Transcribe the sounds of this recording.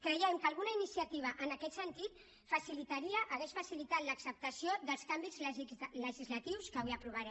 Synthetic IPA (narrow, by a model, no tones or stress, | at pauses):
kɾəjɛmkalˠɣ̞unainisiat̪iβ̞aʔənakɛt̪sənt̪it̪ | fasilit̪aɾiəʔaɣɛʃfasilit̪at̪ləksəp̚t̪asjoðəlˠskambizləʒizlat̪iwskəβiapɾuβaɾɛ